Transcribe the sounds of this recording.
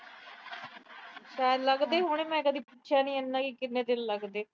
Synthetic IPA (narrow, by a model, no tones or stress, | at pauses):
ʃaːjəd̪ləɡd̪eːɦoːñeːmɛ̃ːkəd̪ʱiːputːʃʰjaːnĩːɛnːãːkikɪnːeːd̪ɪlləɡd̪eː